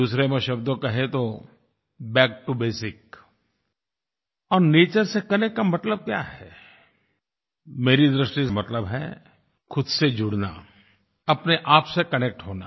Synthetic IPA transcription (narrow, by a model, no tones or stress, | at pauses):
uːsɾemẽʃɐbd̪õkɐɦẽt̪o | bɛːk̚ʈubeːsɪk | ɔːɾneːt͡ʃəɾsekɐnekʈkamɐt̪ləb̚kja̰ːɦɛ | meːɾid̪ɾɪʃʈismɐt̪ləbɦɛ̰ | xʰʊd̪sed͡ʒʊɽna̰ | ɐpneʔaːpsekɐnek̚ʈɦoːna̰ː